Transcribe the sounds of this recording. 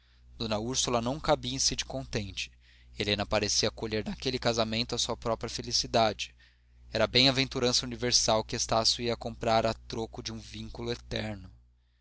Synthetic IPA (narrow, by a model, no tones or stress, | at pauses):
d̪̥onɐuɾsulɐnɐ̃w̃kabiẽsid͡ʒɪkõt̪ẽnt͡ʃɪ̥ | elẽnɐpaɾesiɐkoʎeɾnakelɪkazamẽnt̪ʊɐsuɐpɾɔpɾiɐfelisid̪ad͡ʒɪ̥ | ɛɾɐbẽj̃ɐvẽnt̪uɾɐ̃sɐuniveɾsawkɪest̪asjuiɐkõmpɾaɾat̪ɾokʊd͡ʒɪũvĩŋkulʊet̪ɛɾnʊ